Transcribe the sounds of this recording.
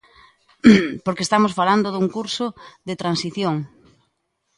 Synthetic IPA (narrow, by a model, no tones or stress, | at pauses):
poɾkeːst̪amosfaland̪oðuŋkuɾsʊðet̪ɾansiθjoŋ